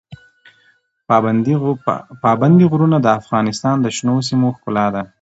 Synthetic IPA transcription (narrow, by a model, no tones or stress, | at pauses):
pɑband̪iɣɾunad̪əafɣɑnɪst̪ɑnd̪əʃnos̬imoxkʊlɑd̪a